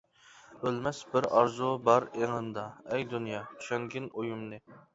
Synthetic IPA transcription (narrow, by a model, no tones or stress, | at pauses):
ølmɛsbɪɾɑɾzubɑɾeŋɨnd̪ɑɛjd̪unjɑʃɛŋɡʲɪnojumnɨ